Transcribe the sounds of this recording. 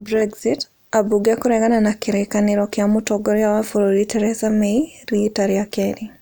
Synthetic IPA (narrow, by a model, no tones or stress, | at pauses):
bɾɛɡzit | abuɡakuɾɛɣananakiɾɛkaniɾɔkɪamutɔɡɔɾijawafɔɾoɾitɛɾɛsameiɾitaɾiakɛɾi